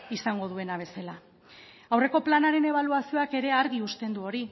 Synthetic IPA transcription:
isaŋɡo̞ð̞ue̞naβ̞e̞sela | awre̞ko̞planaɾe̞ne̞β̞aluasio̞ake̞ɾe̞aɾɣiust̪e̞nd̪uo̞ɾi

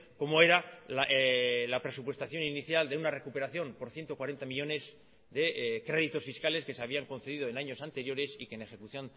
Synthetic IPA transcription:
ko̞moe̞ɾalalapɾe̞supwe̞st̪aθjo̞niniθjald̪e̞unare̞kupe̞ɾaθjo̞mpo̞ɾθje̞nt̪o̞kwaɾe̞nt̪amiʎo̞ne̞z | ðe̞kɾe̞ðit̪o̞sfiskale̞ske̞seaβ̞iaŋko̞nθe̞ðið̞oenaɲo̞sant̪e̞ɾjo̞ɾe̞sikene̞xe̞kuθjo̞n

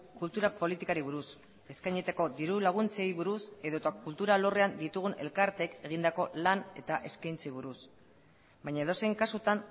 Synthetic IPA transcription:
kult̪uɾapo̞lit̪ikaɾiβuɾus | e̞skajɲit̪eko̞d̪iɾulaɣ̞unt͡se̞jβuɾuse̞ðo̞t̪akult̪uɾalo̞re̞and̪it̪uɣ̞une̞̰lkaɾt̪e̞ke̞ɣ̞ind̪ako̞lane̞t̪aʔe̞skajnt͡sejβuɾus | bajɲaeðo̞sejŋkasut̪an

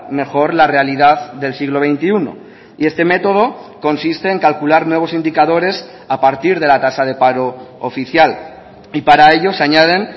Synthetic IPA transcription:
me̞xo̞ɾlare̞aliðaððe̞lsiɣ̞lo̞βe̞jnt̪iuno̞̰ | ie̞st̪e̞me̞t̪o̞ð̞o̞ko̞nsist̪e̞ːŋkalkulaɾnwe̞β̞o̞sind̪ikaðo̞ɾe̞s | apaɾt̪iɾð̞e̞lat̪asað̞e̞paɾo̞ːfiθjal | ipaɾae̞ʎo̞saɲað̞e̞n

